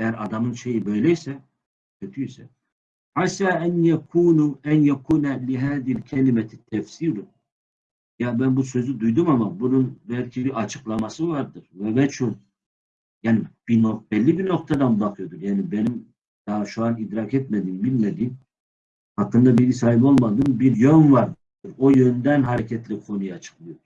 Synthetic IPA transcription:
ɛjæɾad̪amɯnʃe̞jibø̞jlʲɛjisɛ | cʰøt̪ʰyisɛ̰ | ħasaːʔænjɛkʰuːnuænjɛkʰuːnɛliɦæːðiilcʰɛlimɛit̪ʰːɛfsiːɾ | jabænbusø̞zyd̪ujd̪umamabununbælʲcʰibiɾat͡ʃʰɯ̥klˠamasɯvaɾd̪ɯɾ̥vɛvɛt͡ʃʰun | jaːnib̥inob̥ɛlʲːibino̞k̚t̪ʰad̪anbaxɯjo̞d̪uɾjaːnibenim | d̪̥aʃuanid̪ɾakʰɛt̪mɛd̪iːmbilʲmed̪iːm | hakːɯnd̪abiisaːɦibo̞lˠmad̪ɯmbiɾjønvaɾd̪ | d̪uɾo̞jø̞nd̪ænɦaɾɛcʰɛt̪lʲɛkʰo̞nujat͡ʃʰɯ̥klˠɯjod̪u̥

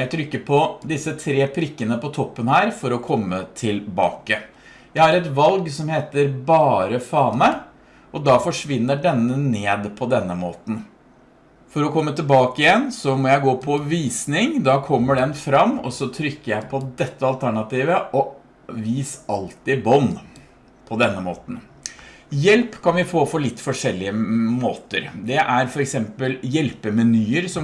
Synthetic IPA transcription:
æɪt̪ʰɾʏkːəpʰɔd̪ɪsːət̪ʰɾeːpʰɾɪkːənəpɔt̪ʰɔpːənhæːɾfɔɾɔkʰɔmːət̪ʰɪlbɑ̰ːkə | jæɪhɑɾɛt̪ʋɑlɡsɔmheːt̪əɾbɑːɾəfɑːnə | ʔɔd̪ɑfɔʂʋɪnːəɖɛnːəneːd̪pʰɔd̪ɛnːəmoːt̪n̩ | fɔɾɔkʰɔmːət̪ɪlbɑːkəɪjɛnːsɔmɔjæɪɡoːpʰɔʋiːsnɪŋd̪ɑːkʰɔmːəɖɛnfɾɑmːɔ̰sɔt̪ʰɾʏkːəjæɪpʰɔd̪ɛt̪ːəɑlt̪ʰæɳɑt̪iːʋəʔɔ | ʋiːsɑlt̪ɪbɔn | pʰɔd̪ɛnːəmoːt̪n̩ | jɛlpkʰɑnʋɪfoːfɔɭɪt̪ːfɔʂɛlːɪəmoːt̪əɾd̪ɛʔæɾfɔɾɛksɛmpəljɛlpəmɛnyːəɾsɔ

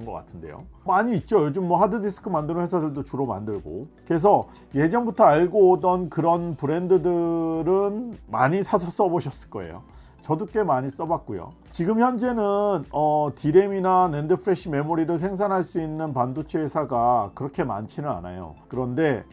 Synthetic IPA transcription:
nɡʌk͈a̰tʰɯnde̞̰jo̰maɲiːt̚t͡ɕ͈ojod͡ʑɯmːwʌɦadɯdisʰɯ̥kʰɯmandɯnɯnhwe̞sʰadɯɭdot͡ɕuɾoma̰ndɯɭɡo̰ke̞s̬ʰʌ | je̞d͡ʑʌŋbutʰʌaɭɡoːdʌnkɯɾʌnpɯɾe̞ndɯdɯɾɯnma̰ɲisʰasʰʌs͈ʌboɕʰʌs͈ɯ̥ɭk͈ʌe̞̰jo̰ | t͡ɕʌduk͈e̞maɲis͈ʌbak̚k͈ujo̰ | t͡ɕiɡɯmçjʌnd͡ʑe̞nɯnʌtiɾe̞minanendɯpʰɯɾe̞ɕʰime̞moɾiɾɯɭs̬ʰe̞ŋs̬ʰanɦaɭs͈uinːɯnpandot͡ɕʰeɦesʰaɡakɯɾʌkʰe̞ma̰nt͡ɕʰinɯna̰na̰jo̰kɯɾʌnde̞

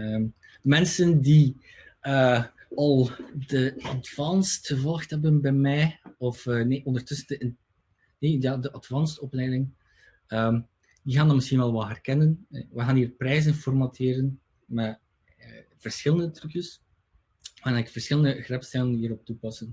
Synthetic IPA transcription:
əm | mɛnsəndi | əː | ɑlˠdəɑtfɑnstxəvɔlˠxtɦɛbənbɛjmɛjɔfəneʔɔndərtɵsəndəɪ | nejaːdəʔɑtfɑnstɔplɛjdɪŋ | əm | d̥iɣaːndɑnmɪsxinʋɛlˠʋɛlˠɦɛrkɛnən̰ʋəɣaːnɦiːrprɛjzənfɔrmatʰɪːɾən | mɛ | ə | v̥ərsxɪlˠəndətrʉkjəs | manɛɪkfərsxɪlˠəndəɣrɛpstɛlənɦiːɾɔp̚tupɑsən

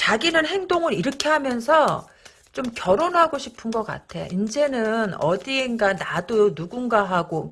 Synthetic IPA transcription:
t͡ɕaɡinɯnɦe̞ŋdoŋɯɾiɾɯkʰe̞ɦamjʌnsʰʌ | t͡ɕomkjʌɾonɦaɡoɕʰi̥pʰɯnɡʌk͈a̰tʰe̞jo̰ʔind͡ʑe̞nɯnʌ̰diːnɡanadonuɡunɡaɦaɡo

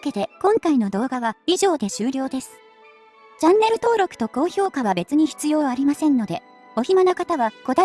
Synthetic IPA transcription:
ke̞t̪e̞kõ̞ŋkaino̞d̪o̞ːɡaβaiʑo̞ːd̪e̞ɕɨːɾʲo̞ːd̪e̞sɨ̥ | t͡ɕãnːe̞ɾɯ̟t̪o̞ːɾo̞kɯ̟̥t̪o̞ko̞ːço̞ːkaβ̞abe̞t͡sɨɲ̟içi̥t͡sɨjo̞ːaɾʲimasẽ̞nːo̞d̪e̞ | o̞çimanokat̪aβako̞d̪a

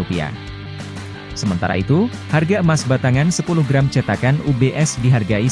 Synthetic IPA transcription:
upia̰ | səmənt̪a̰ɾa̰it̪u | harɡaəmasbat̪aŋansəpuluhɡɾamt͡ʃət̪akanubeʔɛsdiɦarɡai

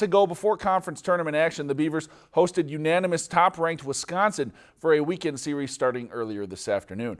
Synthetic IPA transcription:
ɨɡoʊbəfɔɹkʰɑ̃ɱfɹə̃nstʰɜ̃˞nəmɨ̃nækʃɨ̃nðɨbivə˞z̥ | hoʊstɨdjʉnænɨmɨstʰɑpɹæ̃ŋk̚t̚wɪð̥skɑ̃nsɨ̃d | fə˞ɨwikɛ̃nd̥sɪɹiz̥stɑɹɾɪ̃ŋɜ˞lˠiə˞ðɪsæftə˞nʉ̃n

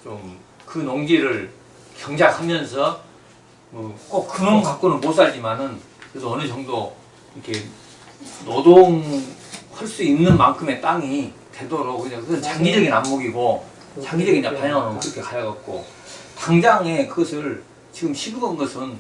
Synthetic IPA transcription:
t͡ɕom | kɯnoŋɡiɾɯɭ | kjʌŋd͡ʑakhamjʌnsʰʌ | mʌk͈okk͈ːɯɾonkak̚k͈onɯnmos͈aɭd͡ʑimanɯn | kɯɾedoʌnɯd͡ʑʌŋdo | iʌkʰe | nodoŋ | hʌɭs͈uinːɯnma̰ŋkʰɯme̞t͈aŋite̞doɾokɯɯɲakɯʌnt͡ɕaŋɡid͡ʑʌɡinamːoɡiɡo | t͡ɕaŋɡid͡ʑʌɡinɲapaɲʌŋɦanokɯɾʌkʰe̞kajaɡak̚k͈o̰ | kaŋd͡ʑaŋe̞kɯɡʌsʰɯɭ | t͡ɕiɡɯmɕʰiɡuɡɯnɡʌsʰɯn

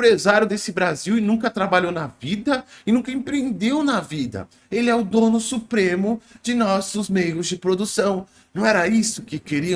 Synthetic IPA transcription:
pɾezaɾjʊd̪esɪbɾaziwɪnũkɐt̪ɾabaʎownɐvid̪ɐɪnũkɐẽpɾẽnd̪ewnɐvid̪ɐ̰ | elɪɛʊd̪onʊsupɾẽmʊd͡ʒɪnɔsʊzmejʊzd͡ʒɪpɾod̪usɐ̃w̃ | nɐ̃w̃ɛɾɐisʊkɪkeɾiɐ̃

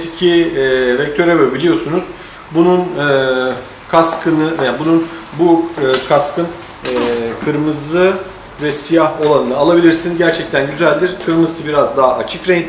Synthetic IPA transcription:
t̪ʰicʰivɛc̚t̪ʰøɾɛvøbilʲijo̞sunuz̥ | bununː | kʰaskʰɯnɯnbununbukʰaskʰɯn | ɛkʰɯɾmɯzɯ | vɛsijaho̞lˠanɯnɯːlˠabilʲiɾsinɟæɾt͡ʃʰɛc̚t̪ʰænɟyzælʲd̪iɾkʰɯɾmɯzsɯbiɾazd̪aɦaʔat͡ʃʰɯkɾɛj

